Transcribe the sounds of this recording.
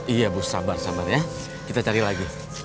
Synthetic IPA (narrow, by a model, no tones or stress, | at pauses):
ijabʊsa̰barsabarja | kit̪at͡ʃaɾilaɡi